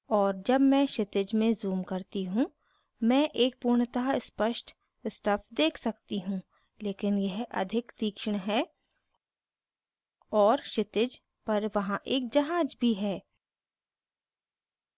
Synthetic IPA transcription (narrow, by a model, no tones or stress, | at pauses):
ɔːɾd͡ʒɐbmɛ̃ːʃɪt̪ɪd͡ʒmẽzuːmkɐɾt̪iɦũ | mɛ̃ːʔeːk̚puːɾɳt̪aspəʃʈ | sʈɐpʰd̪eːkʰsɐk̚t̪iɦũ | leːkɪnjɛɦɐ̰d̪ʱɪkt̪iːkʃəɽ̃ɦɛː | ɔːɾʃɪt̪ɪd͡ʒ | pɐɾʋɐɦãʔeːk̚d͡ʒɐɦaːd͡ʒbʱiɦɛː